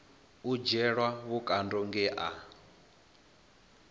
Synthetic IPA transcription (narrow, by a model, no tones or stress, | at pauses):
ud͡ʒɛɺwawukʼandɔŋɡɛʔa